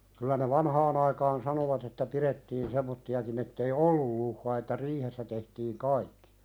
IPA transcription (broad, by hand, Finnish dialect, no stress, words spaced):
kylæ ne ʋɑnhɑːn ɑikɑːn sɑnoʋɑt etːæ piretːiːn semːotːiɑkin etːei olːul luhːɑː etːæ riːhesːæ tehtiːŋ kɑikːi̥